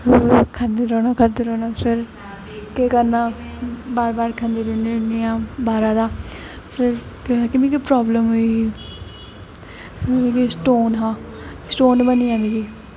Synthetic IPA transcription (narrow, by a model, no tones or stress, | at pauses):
kʰəɾd̪eːɾoːnaːkʰəɾd̪eɾoːnaːpʰɪɾ | kekəɾnãːbaːɾbaːɾkʰə̃nd̪iːɾʊnenijãːbaːɾãːd̪aː | pʰɪɾkoɛːkɪmĩːkipɾaːbləmɦoi | ĩkisʈoːnɦãː | sʈoːnbəniːãːmĩːɡiː